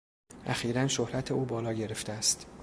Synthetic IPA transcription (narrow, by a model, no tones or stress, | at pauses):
ʔæxiːɾænʃohɾæt̪ʰe̞uːbɒːlɒːɟe̞ɾe̞ft̪eæst̪